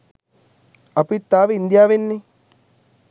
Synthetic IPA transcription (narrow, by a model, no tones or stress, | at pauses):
apit̪ːaːʋeind̪iaːʋenːi